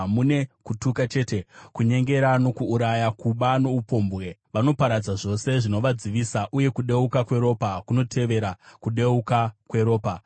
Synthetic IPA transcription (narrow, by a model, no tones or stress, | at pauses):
mune̞kutukat͡ʃe̞ːte̞kuɲe̞ŋɡe̞ɾano̞kuːɾajakuɓano̞upo̞mbɣe̞ʋano̞paɾad͡zaʐo̞se̞ʐino̞ʋad͡ziʋiːsaʔuje̞kuɗe̞ukakwe̞ɾo̞ːpakuno̞tʰe̞ʋe̞ɾakuɗe̞ukakwe̞ɾo̞ːpa